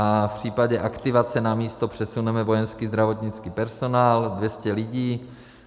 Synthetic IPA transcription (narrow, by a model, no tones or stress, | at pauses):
afpr̝̥iːpaɟɛʔakt̪ɪvat͡sɛnamiːst̪o̞pr̝̥ɛsunɛmɛvo̞jɛnskiːzd̪ɾavo̞t̪ɲɪt͡skiːpɛɾso̞naːldvjɛscɛlɪɟiː